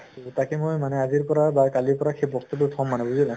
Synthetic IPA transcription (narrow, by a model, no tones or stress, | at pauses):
takɛmojmanɛaziɹpɔɹabakaliɹpɔɹaxʰejbɔktɔtutʰɔmːanɛbuzina